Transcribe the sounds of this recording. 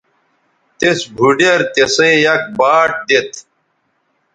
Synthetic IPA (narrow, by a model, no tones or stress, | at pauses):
t̪esbʱuɖɐɾt̪esẽjɐk̚baːʈ̚d̪et̪ʰ